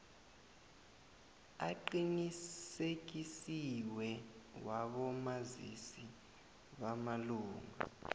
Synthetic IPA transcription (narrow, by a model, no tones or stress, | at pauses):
aǃinisek̬isiwɛwaɓɔmazḭsi | ɓamaluːŋa̰